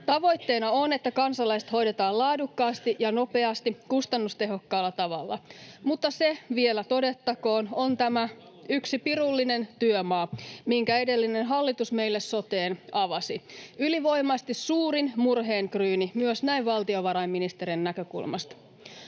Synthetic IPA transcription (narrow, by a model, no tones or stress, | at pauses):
t̪ɑʋo̞jt̪ːe̞ːnɑone̞t̪ːækɑnsɑlɑiset̪ho̞jde̞t̪ɑːlɑːdukːɑːst̪iʔjɑno̞pe̞ɑst̪ikust̪ɑnːust̪e̞ɦo̞kːɑːlːɑt̪ɑʋɑ̰lːɑ̰mut̪ːɑseʋielæt̪o̞de̞t̪ːɑko̞ːno̞nt̪æmæ | yksipirulːine̞nt̪yømɑːmiŋkæe̞de̞lːinenɦɑlːit̪usme̞ilːesso̞t̪eːnɑʋɑsiyliʋo̞jmɑst̪issuːɾinmurɦe̞ːŋkryːnimyøsnæiʋʋɑlt̪io̞ʋɑɾɑimːinist̪eɾinːækø̞kṵlmɑ̰st̪